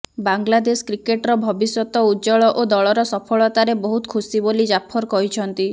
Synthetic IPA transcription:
baŋɡlad̪eskɾikeʈɾɔbʱɔbisjɔt̪ɔud͡ʒɔɭɔʔod̪ɔɭɔɾɔsɔpʰɔɭɔt̪aɾebɔɦut̪kʰusibolid͡ʒapʰɔɾkɔɦit͡ʃʰɔnt̪i

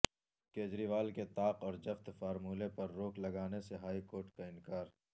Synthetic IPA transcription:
keːd͡ʒɾiːʋaːlket̪aːqɔːɾd͡ʒɐft̪faːɾmuːlepɐɾːoːklɐɡaːneseɦaːikoːɾʈkaɪnkaːɾ

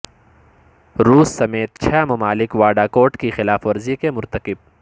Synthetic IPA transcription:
ɾuːsːɐmeːt̪̚t͡ʃʰɛːmɐmaːlɪkʋaːɖakoːɾʈkixɪlaːfʋɐɾzikemʊɾt̪əkɪb̚

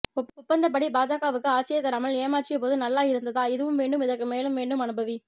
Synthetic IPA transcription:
ʊʊpːɐnd̪ɐp̬ɐɽibaːd͡ʒaːkaːʋɯkːɯaːt͡ʃɪjɐt̪ːɐɾɐmɐɭeːmaːʈt͡ʃɪjɐpoːðɯnɐlːaːjɪɾɯnd̪ɐðaːɪðɯʋɯmʋeːɳɖɯmɪðɐɾkːɯmeːlɯmʋeːɳɖɯmɐnɯbɐʋi

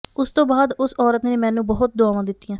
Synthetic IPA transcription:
ʊst̪õːbaːd̪ʊsɔːɾət̪neːmɛ̃ːnũːbɔɦʊt̪̚d̪ʊaːʋãːd̪ɪt̪ːijãː

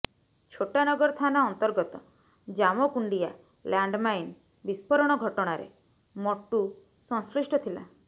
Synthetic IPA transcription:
t͡ʃʰoʈanɔɡɔɾt̪ʰanaɔnt̪ɔɾɡɔt̪ɔ | d͡ʒamɔkuɳɖija̰ | laɳɖmajn | bispɔɾɔɽ̃ɔɡʱɔʈɔɽ̃aɾḛ | mɔʈːu | sɔŋsliʃʈɔt̪ʰila̰

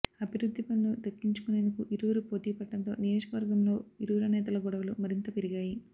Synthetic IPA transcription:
ɐbʱiɾud̪ʱːipɐnːud̪ɐkːiɲt͡ʃu̥kune̞ːnd̪ukuʔiɾuʋuɾupo̞ːʈiːpɐɖːɐnt̪o̞̰ːnijoːd͡ʒɐkɐʋɐɾɡɐmlo̞ːiɾuʋːɾɐnɛːt̪̬ɐlɐɡɔɽɐʋɐlumɐɾint̪ɐpeɾiɡaːji

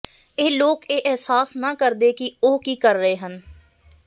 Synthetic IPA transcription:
eːloːkeːʔɪɦsaːsnaːkəɾd̪eːkɪoːkiːkəɾːəɦeːɦən

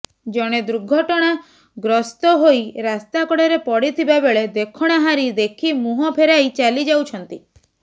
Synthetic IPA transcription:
d͡ʒɔɽ̃ed̪ɾuɡʱɔʈɔɽ̃a | ɡɾɔst̪ɔɦojɾast̪akɔɽeɾepɔɽit̪ʰibabeɭed̪ekʰɔɽ̃aɦaɾid̪ekʰimuɦɔpʰeɾajt͡ʃalid͡ʒawt͡ʃʰɔnt̪i

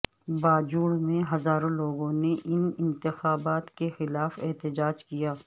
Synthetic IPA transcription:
baːd͡ʒuːɽmẽɦɐzaːɾõloːɡõneʔɪnɪ̃nt̪ɪxaːbaːt̪kexɪlaːfɛɦt̪ɪd͡ʒaːd͡ʒkijaː

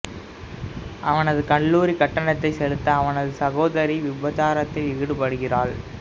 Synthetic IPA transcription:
ʔɐʋɐnɐðɯkɐɳːuːɾikɐʈːɐɳɐt̪ːɐɪsɛlɯt̪ːɐɐʋɐnɐðɯsɐɣoːðɐɾiʋɪbɐt͡ʃaːɾɐt̪ːɪlɪːɽɯpɐɽɯɣɪraːɭ

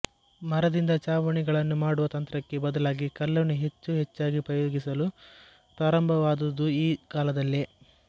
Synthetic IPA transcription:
mɐɾɐd̪ind̪ɐt͡ʃaːʋɐɳiɡɐɭɐnːumaːɽuʋɐt̪ɐnt̪ɾɐkːe̞bɐd̪ɐlaːɡikɐlːɐnːuɦe̞t͡ʃːuɦet͡ʃːaːɡipɾɐjoːɡisɐlu | pɾaːɾɐmbʱɐʋaːd̪ud̪uiːkaːlɐd̪ɐlːi

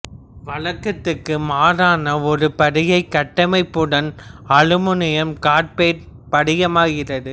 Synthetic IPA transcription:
ʋɐɻɐkːɐt̪ːɯkːɯmaːɾaːnɐɔɾɯpɐɽɪjɐɪkːɐʈːɐmɐɪpːɯɽɐnɐɻɯmɯnɪjɐmkaːʈ̚peːɾ | pɐɽɪjɐmaːɣɪrɐðɯ

